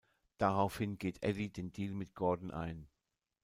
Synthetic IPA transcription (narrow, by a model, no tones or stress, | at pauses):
d̥aʁaʊfhɪnɡeːtʔɛlideːndiːlmɪt̚ɡ̥ɔɐdn̩ʔa̰ɪn